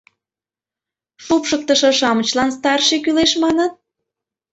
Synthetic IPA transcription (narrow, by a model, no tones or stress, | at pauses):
ʃupʃək̚t̪ə̆ʃɤ̆ʃɑmə̆t͡ɕlɑnst̪ɑrʃekyleʃmɑnət̪̚